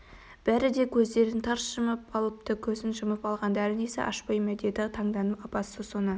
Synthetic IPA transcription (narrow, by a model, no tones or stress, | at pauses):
b̥æɾɪd̪e̞kʲʰɵzd̪e̞ɾɪnt̪ʰɑɾsʃəməpɑlˠəp̚t̪əkʲʰɵzɪnʒəməpɑlˠʁɑnd̪æɾɪne̞sɪ̰ʔɑ̰ʃpɑjmæd̪ed̪ɪt̪ʰɑŋd̪ɑnəpɑpɑsəsonə